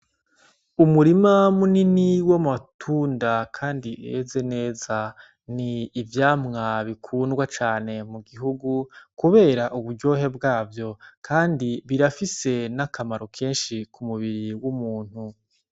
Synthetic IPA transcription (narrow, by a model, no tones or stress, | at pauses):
umuɾimamuniniwamatʰuːndakʰaːndieze̞ne̞ːza | niːvjaːmŋaβikʰuːnɡwat͡ʃaːne̞muɡiɦuɡukuβe̞ːɾaʔuβuɾɟo̞ːɦe̞bɡaːvjo̞kʰaːndiβiɾafise̞nakamaɾo̞kʰeːnʃikumuβiɾiwumuːn̥hu